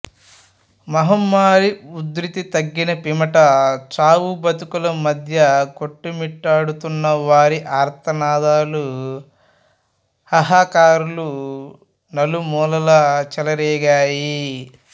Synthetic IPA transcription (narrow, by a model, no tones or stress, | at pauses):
mɐɦɐmːaːɾiud̪ɾit̪it̪ɐɡːinɐpimɐʈɐt͡ʃaːʋubɐt̪ukulɐmɐd̪ʱjɐkoʈːumiʈːaːɽut̪unːɐʋaːɾiʔaːɾt̪ʰɐnaːd̪aːlu | hɐɦaːkaːɾulu | nɐlumɔːlɐlɐt͡ʃɛlɐɾɛːɡaːji